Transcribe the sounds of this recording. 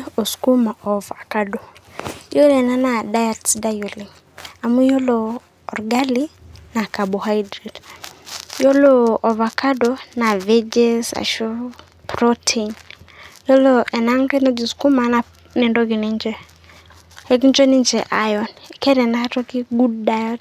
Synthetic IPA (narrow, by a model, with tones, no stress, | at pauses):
o˨sku˦ma˨ʔɔ˨va˨ka˦do˨˦jo˦lɛ˨na˦na˨da˦ja˨tsda˦jo˨li˨ | a˨mu˦jo˦loː˨ | ɾɡa˦li˦na˨ka˨bɔ˨ha˦jdɾe˨d | jo˦loː˨va˨ka˦do˦na˨vɛ˦d͡ʒɛ˦sa̰˨ʃɔ˦ | pɾɔ˦tʰenjɔ˦lɔɛ˨na˦ŋtɛ˦na˦d͡ʒi˨sku˦ma˨˦na˨ | nɛ˨ndɔ˦ki˨nɛ˦nd͡ʒɛ˦ | hɛ˦k̬i˦nt͡ʃɛ˦ni˦nt͡ʃɛ˨ʔa˨jɔ˦nɛ˨kɛ˦ɾɛ˨na˦a˦tɔ˦ki˦ɡu˦dda˦jɔ˦t